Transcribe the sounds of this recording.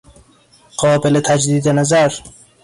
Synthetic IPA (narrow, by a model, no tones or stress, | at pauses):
ɢ̥ɒːbelet̪ʰæd͡ʒd̪iːd̪enæzæɾ